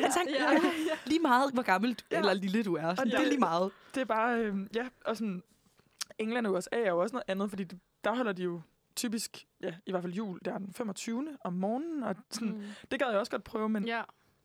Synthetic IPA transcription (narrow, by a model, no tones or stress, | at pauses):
t͡sʰɑŋ | liːmɑ̈ːð̩ˠʋɒɡ̥ɑ̈ml̩̥elɐliləd̥uæɐsɒneliːmɑ̈ːð̞̩ˠd̥e̝æɐb̥ɑ̈ːømjæʔɒ̽sɔ̽n | eŋlænjusɛ̰ːæɐjo̝ɒsənɔ̽ð̩ˠænð̩ˠfɒ̽d̥ḭːd̥e̝ | d̥ɑ̈ɦɒ̽l̰ɐd̥ijo̝ | t͡sʰyːb̥isɡ̥jæiʋæɐ̰fæljṵːld̥eɐd̥enfem̰ɒ̽t͡sʰyːʊnəʔɒ̽mːɒːnn̩ɒ̽sɔnnd̥e̝ɡ̥ɛðˠjɒ̽sɡ̥ɒ̽d̥̚pʰʁœːʊmen